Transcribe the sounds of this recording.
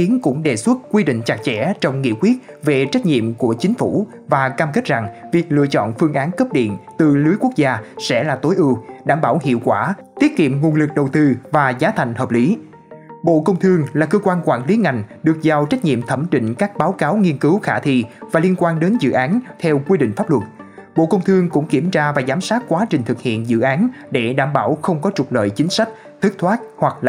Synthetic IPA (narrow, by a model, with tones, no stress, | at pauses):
xi˨˦ənkʊ̰˧˥ŋ͡mɗe˨˩swə˦˥t̚kwi˧ɗḭ̈˧˨ŋ̟t͡ɕa˨˩k̚t͡ɕɛ̰˧˥t͡ɕɔ˧wŋ͡mŋḭ˧˨əkwi˦˥ət̚ve˨˩t͡ɕa˦˥jk̟̚ɲḭ˧˨əmku˧˩ət͡ɕï˨˦ŋ̟fu˧˩ | vaː˨˩kaː˧mke˦˥t̚za˨˩ŋvi˨˩ək̚lɨ̰˧˨ət͡ɕɔ̰˧˨nfɨ˧əŋʔaː˨˦nkə˦˥p̚ɗḭ˧˨ənt̪ɨ˨˩lɨ˨˦əjkwu˦˥ək̚zaː˧sɛ̰˧˥laː˨˩t̪o˨˦jʔɨ˧ɗaː˧˩mɓaː˧˩whḭ˧˨əwkwaː˧˩t̪i˦˥ət̚kḭ˧˨əmŋu˨˩ənlɨ˨˩k̚ɗə˨˩wt̪ɨ˧vaː˨˩zaː˨˦t̪ʰa˨˩jŋ̟həː˨˩p̚li˨˦ | ɓo̰˧˨kə˧wŋ͡mt̪ʰɨ˧əŋlaː˨˩kəː˧kwaː˧nkwaː˧˩nli˨˦ŋa˨˩jŋ̟ɗɨ˨˩ək̚za˨˩wt͡ɕa˦˥jk̟̚ɲḭ˧˨əmt̪ʰə˧˩mt͡ɕḭ̈˧˨ŋ̟kaː˦˥k̚ɓaː˨˦wkaː˨˦wŋi˧ənkɨ˨˦wxaː˧˩t̪ʰḭ˧˨vaː˨˩li˧ənkwaː˧nɗe˨˦nzɨ̰˧˨ʔaː˨˦nt̪ʰɛ˧wkwi˧ɗḭ˧˨ŋ̟faː˦˥p̚lwə˨˩t̚ɓo̰˧˨kə˧wŋ͡mt̪ʰɨ˧əŋkʊ̰˧˥ŋ͡mki˧˩əmt͡ɕaː˧vaː˨˩zaː˨˦msaː˦˥t̚kwaː˨˦t͡ɕï˨˩ŋ̟t̪ʰɨ˨˩k̚hḭ˧˨ənzɨ̰˧˨ʔaː˨˦n | ɗe˧˩ɗaː˧˩mɓaː˧˩wxə˧wŋ͡mkɔ˨˦t͡ɕʊ˨˩k͡p̚lə̰ː˧˨jt͡ɕï˨˦ŋ̟sa˦˥k̟̚ | t̪ʰɨ˦˥k̚t̪ʰwaː˦˥t̚hwa˨˩k̚la˧˨